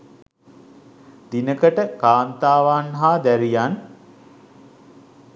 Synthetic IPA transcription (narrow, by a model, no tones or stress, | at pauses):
d̪inəkəʈəkaːnt̪aːʋaːnɦaːd̪æɾijan